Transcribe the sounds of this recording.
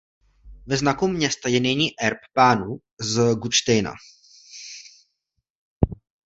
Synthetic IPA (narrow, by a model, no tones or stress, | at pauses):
vɛznakumɲɛst̪ajɛnɛjɲiːʔɛɾppaːnu | zɡut͡ʃt̪ɛjna̰